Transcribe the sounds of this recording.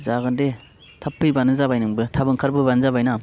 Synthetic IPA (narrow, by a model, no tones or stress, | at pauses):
zaɡɯnde | tʰapʰːɯjbanɯzabajnɯŋbɯtʰabɯŋkʰaɾbɯbanɯzabajnam